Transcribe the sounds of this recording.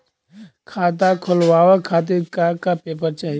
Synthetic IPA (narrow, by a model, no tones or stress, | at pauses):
kʰaːt̪̬akʰʊlwaːwakʰaːt̪̬ekakapeːp̬əɾt͡ʃaːɦi